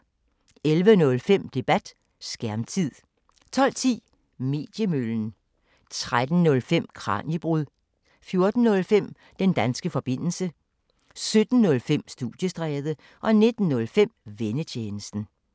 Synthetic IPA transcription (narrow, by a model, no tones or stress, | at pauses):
elʋənɔ̽lfem̰d̥e̝b̥æd̥ | sɡ̥æɐmt͡sʰið̰ˠ | t͡sʰɒ̽l̰t͡sʰḭː | me̝̰ːd̥jəmøln̩ | t͡sʰʁad̥n̩nɔ̽lfem̰kʰʁɑ̰̈ːnib̥ʁuðˠ | fjo̝ɐd̥n̩ːɔ̽lfem̰ | d̥end̥ænsɡ̥əfɒ̽b̥e̝n̰l̩sə | sød̥n̩ːɔ̽lfem̰sd̥ud̥jəsd̥ʁɛːð̞ˠə | ʔɒ̽ne̝d̥n̩ːɔ̽lfem̰ʋenət͡ɕʰeːnəsd̥n̩